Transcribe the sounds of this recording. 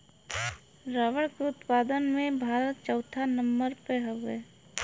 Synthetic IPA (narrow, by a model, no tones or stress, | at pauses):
ɾaːʋəɽkʊt̪paːd̪ənmẽbʱaːɾət̪̚t͡ʃəwt̪ʰanəmbəɾpeɦoʋeː